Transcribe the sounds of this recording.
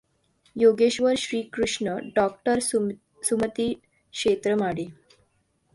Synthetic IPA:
joɡeɕʋəɾɕɾiːkɾuʂɳəɖɔk̚ʈəɾ | sumət̪iː | kʂet̪ɾəmaɽe

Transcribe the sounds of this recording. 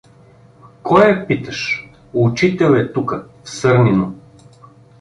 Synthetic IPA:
kɔjɛpit̪əʃ | ut͡ʃit̪ɛlɛt̪ukə | fsɤɾnino

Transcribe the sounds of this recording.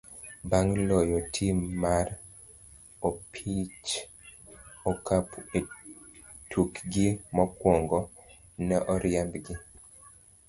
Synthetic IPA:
baŋlɔjotʰimmar | opʰit͡ʃ | ɔkʰape | tʰukɡɪmɔkwɔŋɡɔ | nɛʔɔɾjambɡɪ

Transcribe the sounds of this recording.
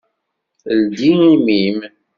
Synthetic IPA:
ld̪iŋimim

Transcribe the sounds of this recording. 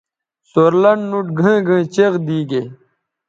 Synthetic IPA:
soɾlɐɳnuʈɡʱə̃ːɡʱə̃t͡ɕeɣd̪iːɡe

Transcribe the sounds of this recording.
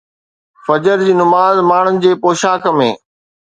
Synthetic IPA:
fɐd͡ʑəɾd͡ʑiːnʊmaːzmaːɳ̤ʊnɪ̆d͡ʑeːpoːʃaːkəmḛ̃ː

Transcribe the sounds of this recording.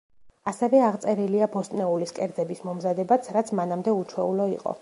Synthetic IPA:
asɛvɛaʁt̪sʼɛɾiliabɔst̪ʼnɛuliskʼɛɾd̪zɛbismɔmzad̪ɛbat̪sʰɾat̪sʰmanamd̪ɛut͡ʃʰwɛulɔḭqʼɔ̰

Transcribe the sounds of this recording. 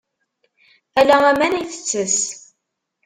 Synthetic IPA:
ælææmænæjθə̥t͡sːəs

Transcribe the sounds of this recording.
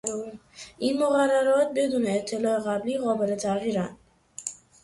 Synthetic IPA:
ʔiːnmoɣarːaɾɒːt̪̚bed̪uːneːt̪ʰːelɒːeɣabliːɣɒːbelet̪ʰæɣiːɾæn

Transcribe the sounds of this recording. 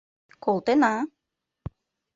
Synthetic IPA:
kolt̪ena

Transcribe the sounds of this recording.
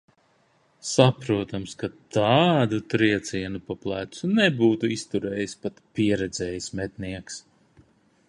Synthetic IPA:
sapɾuɔt̪amskat̪ɑːd̪ut̪ɾiɛt̪sʲiɛnupaplˠæːt̪sunɛbuːt̪uist̪uɾɛːjispat̪pʲiɛɾɛd̪zɛːjismɛt̪̚ʲniɛks

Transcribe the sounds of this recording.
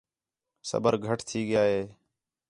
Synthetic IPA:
sə̰bəɾɡʱəʈʰt̪ʰiːɡəjaːɦeː

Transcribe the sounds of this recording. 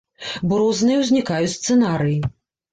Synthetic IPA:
bɔɾɔznɨjɛwzʲnʲikajut͡sʲst̪sɛnaɾɨji

